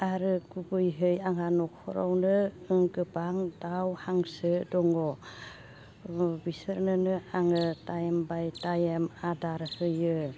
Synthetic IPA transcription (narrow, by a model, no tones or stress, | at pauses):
aɾɯɡubɯjɦɯjaŋanɔkʰɔ̰ɾa̰wnɯɯŋɡɯbaŋdawhaŋsɯdɔŋɔ | bisɯɾnɯnɯaŋɯtajembajtajemadaɾhɯjɯ